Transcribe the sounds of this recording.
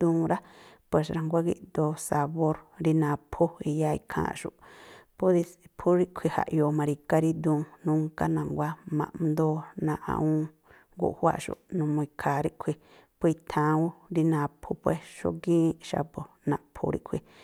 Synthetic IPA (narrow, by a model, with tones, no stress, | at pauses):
d̪ũː˧ɾa˦pʷe˧s̬ɾa˧ŋɡʷa˦ɡḭ˦ʔd̪o˧sa˧βo˦ɾɾi˦nã˧pʰu˦i˧ja˦˧ḭ˧kʰã̰ː˧ʃṵ˨ʔpu˦ɾi˧pʰu˦ɾi˦ʔkʷʰi˧ha̰˨ʔjo˧˨mã˧ɾi˧ka˦ɾi˦d̪ũː˧nũ˦ŋka˦nã˨ŋɡʷa˦mã̰˨ʔnd̪o˦nã˧ʔã̰˧ũ˦ | ɡṵ˧˨hwa̰˦ʔʃṵ˨ʔnũ˧mũ˧i˧kʰa˨ɾi˦ʔkʷʰi˧ | pʷt̪ʰã˧u˦ɾi˧nã˧pʰu˧pe˧sʃo̰˧ɡĩ˦ʃa̰˧po˧˨nã˧˨pʰṵ˧ɾḭ˦ʔkʷʰḭ˧